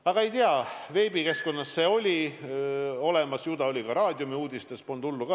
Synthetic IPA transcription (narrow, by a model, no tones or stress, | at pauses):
ɑɡ̥ɑe̞jt̪iɑve̞ːbike̞sko̞nːɑsːe̞ːo̞lʲi | o̞le̞mɑsjud̪̥ɑo̞lʲikɑɾɑːd̪ʲjumiuːd̪̥ʲist̪espond̪ulːukɑ